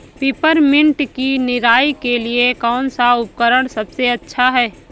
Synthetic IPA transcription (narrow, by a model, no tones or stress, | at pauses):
piːpəɾmɪ̃ɳʈkinɪɾaːikeliekɔːnsaʊp̚kəɾəɽ̃sɐbseɐtːʃʰaɦɛː